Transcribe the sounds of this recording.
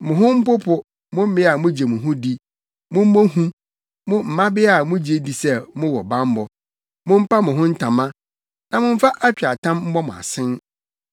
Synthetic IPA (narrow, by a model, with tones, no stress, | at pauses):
mʊ̃˨ɦʊ̃˦m̩˦pʊ˦pʰʊ˦ | mʊ̃˦m̩˦mɪ̃˦a˨mʊ̃˦d͡ʑe˨mʊ̃˨ɦʊ̃˦di˦ | mʊ̃˦m̩˦mõ˦ɦũ˦ | mʊ̃˦m̩˨mã˦bɪ˦a˨mʊ̃˦d͡ʑe˦di˨sɛ˦˨mʊ̃˦wɔ˨bã˦m̩˦bɔ˨ | mʊ̃˦m̩˦pa˦mʊ̃˨ɦʊ̃˦n̩˦tʰã˨mã˦ | nã˨mʊ̃˦m̩˦fa˦ʔa˦t͡ɕᶣa˨tʰã˦mm̩˦mɔ˦mʊ̃˨a̰˨sɪ̃˦n